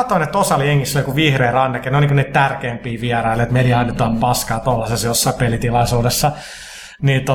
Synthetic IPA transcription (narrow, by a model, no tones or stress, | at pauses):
ɑt̪ːoinet̪ːosɑljeŋːiselikuʋihreːrɑnːɑkːeneolnikuniːt̪t̪ærkeːmpiːʋiɛrɑilet̪mediɑːnyt̪onpɑskɑːt̪olːɑsesjosːɑipelit̪ilɑisuːdesːɑ | niːt̪o